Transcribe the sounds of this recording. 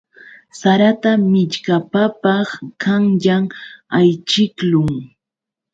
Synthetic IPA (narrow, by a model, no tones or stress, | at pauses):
saɾat̪amɪʎkapapɑχkaŋʎamajt͡ʃɪklʊŋ